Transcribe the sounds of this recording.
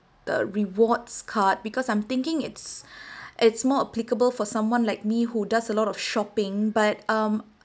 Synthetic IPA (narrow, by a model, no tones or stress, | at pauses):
d̪̥ə̰ɹiwɔtskʰat̚bikɔsãj̃mt̪ɪ̃ŋkɪ̃ŋɪtsʔɪtsmɔəplikəbəlfɔsãmwãnlaɪk̚mihudasəlɔɾɔfʃɔpɪ̃ŋbat̚ʌ̃m